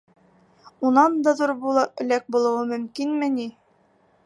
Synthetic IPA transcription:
unɑnd̪ɑðuɾbulˠɤɵ̆læk̚bulˠɤ̆wɤmɵ̆mkinmɘ̆ni

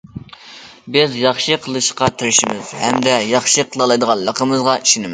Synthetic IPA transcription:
bɪzjɑχʃɨqʰəlˠɨʃqɑt̪ʰɪɾɪʃɪmɪz̥hɛmd̪ɛjɑχʃɨqʰəlˠɑlˠɑjd̪əʁɑnlˠəqʰəmɨzʁɑiʃinɪmɪ

